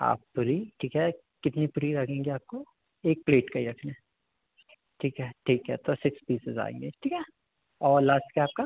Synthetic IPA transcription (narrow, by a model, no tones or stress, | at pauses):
a̰ːpːʊɾiʈʰiːkɦɛ | kɪt̪nipʊɾiɾɐkʰẽːŋɡeaːp̚ko | eːk̚pleːʈkaiɾɐkʰne | ʈʰiːkɦɛʈʰiːkɦɛ̰t̪osɪkspiːsɪza̰ːḛ̃ːŋɡeʈʰiːkɦɛ | ɔːɾlaːsʈkaaːp̚ka